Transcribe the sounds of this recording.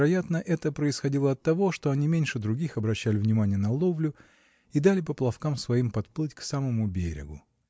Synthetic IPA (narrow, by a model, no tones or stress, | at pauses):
ɾɐjat̪nəʔɛt̪əpɾəɪsxɐdʲilˠəɐt̪ːɐvo̞ʂt̪o̞ɐnʲimʲenʲʂɨd̪ɾʊɡʲixɐbɾɐɕːælʲɪvnʲɪmanʲɪjənɐlˠovlʲʊ | id̪alʲɪpəplˠɐfkamsvɐimpɐt̪plˠɨtʲksaməmʊbʲeɾʲɪ̰ɡʊ